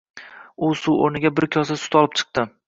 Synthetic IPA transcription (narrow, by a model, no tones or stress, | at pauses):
ʊsuoɾnɪɡʲabɪɾkʲʰɒsasʊ̥t̪ɒlˠɪp̚t͡ʃʰɨ̥q̚t̪ɪ